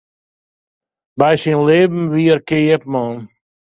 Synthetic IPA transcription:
bajsinleːbm̩ʋiːəɾkeɛpmɔːn

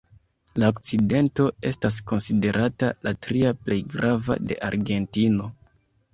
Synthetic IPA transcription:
laokt͡side̞nto̞e̞stas̬ko̞nside̞ɾʔatalatɾiaple̞jɡɾava̰de̞̰ʔaɾɡe̞ntino̞

